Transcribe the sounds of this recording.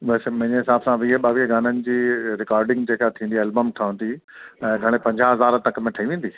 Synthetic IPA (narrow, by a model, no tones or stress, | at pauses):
ɓɐsmɐ̃ɦɪ̃ɲeɦɪsaːbsãʋiɦəɓaːʋiɡaːnənɪ̆d͡ʑiːɾɪkaːɾɖɪ̃ŋɡd͡ʑeːkat̪ʰĩːn̆d̪iɛːlbəmʈʰaːə̃nd̪iɛ̃ːɡʱɐɽ̃epɐ̃ɲd͡ʑaɦɐzaːɾt̪ɐkmẽʈʰɐiʋẽːnd̪i